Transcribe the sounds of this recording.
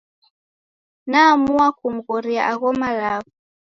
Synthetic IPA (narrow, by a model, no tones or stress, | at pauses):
namuwakum̩ɣɔɾiaʔaɣɔmalaβɔ